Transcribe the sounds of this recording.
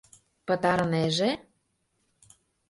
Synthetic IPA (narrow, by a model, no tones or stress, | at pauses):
pə̆t̪ɑɾɤ̆neʒe